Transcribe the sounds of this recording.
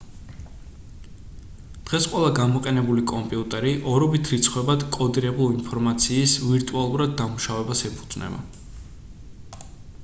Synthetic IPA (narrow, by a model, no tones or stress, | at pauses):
d̪̥ʁɛsqʼwɛlˠaɡamɔqʼɛnɛbulikʼɔmpʼiut̪ʼɛɾiʔɔɾɔbit̪ʰɾit̪sʰχwɛbad̪kʼɔd̪iɾɛbulˠinpʰɔɾmat̪sʰiːsviɾt̪ʼualˠuɾad̪̚ːamuʃavɛbasɛpʰu̥d̪z̥nɛ̰ba̰